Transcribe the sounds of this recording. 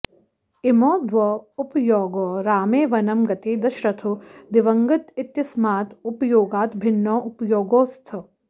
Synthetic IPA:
imoːd̪ʋɔupjoːɡoːɾaːmeːʋɐnɐmɡɐt̪eːd̪ɐʃɾɐt̪ʰud̪iʋɐŋɡɐt̪it̪jɐsmaːt̪upjoːɡaːt̪bʱinːɔʔupjoːɡoːst̪ʰɐ

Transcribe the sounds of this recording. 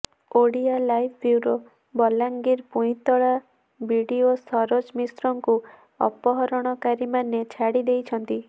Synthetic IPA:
oɽialajpʰbjuɾo | bɔlaŋɡiɾpuĩt̪ɔɭa | biɽiosɔɾod͡ʒmisɾɔŋku | ɔ̰pɔɦɔɾɔɽ̃ɔkaɾimanet͡ʃʰaɽid̪ejt͡ʃʰɔnt̪i

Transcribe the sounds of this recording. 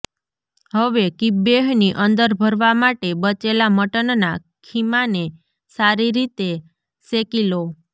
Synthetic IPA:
həʋekibeɦniʔənd̪əɾbʱəɾʋamaʈebət͡ʃelaməʈənna | kʰimane | saɾiɾit̪e | sekilo

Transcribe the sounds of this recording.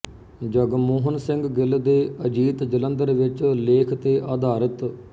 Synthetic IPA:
d͡ʒəɡmoːɦənsɪ̃ŋɡɡɪld̪eːəd͡ʒiːt̪d͡ʒələnd̪əɾʋɪt͡ʃleːkʰt̪eːʔaːd̪aːɾət̪

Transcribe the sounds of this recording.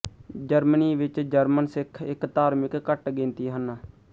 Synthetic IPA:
d͡ʒəɾməniːʋɪt͡ʃd͡ʒəɾmənsɪkʰɪkt̪aːɾmɪkːəʈɡɪ̃nt̪iːɦən

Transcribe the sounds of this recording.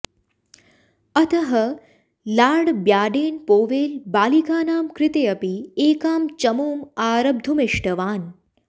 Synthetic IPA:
ɐt̪ɐɦɐ | laːɽbjaːɖeːnpoːʋeːlbaːlikaːnaːmkɾɪt̪ejɐpieːkaːmt͡ʃɐmoːmaːɾɐb̚d̪ʱumeʂʈɐʋaːn

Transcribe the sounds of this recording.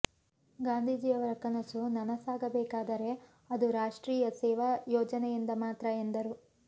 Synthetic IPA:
ɡaːnd̪ʱiːd͡ʒiːjɐʋɐɾɐkɐnɐsunɐnɐsaːɡɐbɛːkaːd̪ɐɾe̞ | ɐd̪uɾaːʂʈɾiːjɐsɛːʋɐjoːd͡ʒɐnɛjind̪ɐmaːt̪ɾɐend̪ɐɾu

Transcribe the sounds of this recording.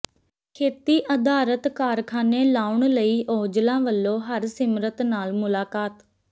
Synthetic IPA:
kʰeːt̪iːʔəd̪aːɾət̪kaːɾkʰaːneːlaːʊɳləiːʔoːd͡ʒlãːʋəlːõːɦəɾsɪmɾət̪naːlmʊlaːkaːt̪

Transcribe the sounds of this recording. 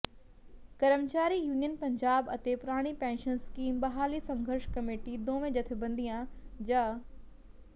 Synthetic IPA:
kɐɾəmt͡ɕaːɾijuːnijənpɐ̃ɲd͡ʑaːbɐt̪epʊɾaːɽ̃ipɛ̃ːnʃənskiːmbɐɦaːlisɐ̃ŋɡʱəɾʃkɐmeːʈid̪oːʋẽd͡ʑɐt̪ʰɪ̆bɐ̃nd̪ijãd͡ʑaː

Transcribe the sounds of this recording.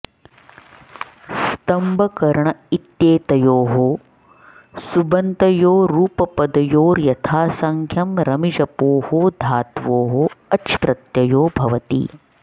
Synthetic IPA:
st̪ɐmbʱɐkɐɾɐɳɐit̪jeːt̪ɐjoːɦoː | subɐnt̪ɐjoːɾuːpɐpɐd̪ɐjoːɾjɐt̪ʰaːsɐŋkʰjɐmɾɐmid͡ʒɐpoːhoːd̪ʱaːt̪ʋoːɦoːɐʃpɾɐt̪jɐjoːbʱɐʋɐt̪ḭː

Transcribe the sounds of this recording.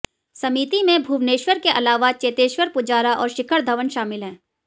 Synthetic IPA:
sɐmiːt̪imẽbʱuːʋneːʃwəɾkeʔɐlaːʋat͡ʃeːt̪eːʃwəɾpʊd͡ʒaːɾaʔɔ̰ːɾʃɪkʰəɾd̪ʱɐʋənʃaːmɪlɦɛ̃ː

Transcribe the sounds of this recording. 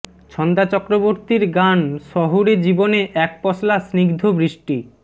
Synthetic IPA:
t͡ɕʰɔnd̪at͡ɕɔkɾoboɾt̪iɾɡanʃɔɦuɾed͡ʑiboneʔɛk̚pɔslasniɡd̪ʱobɾiʃʈi

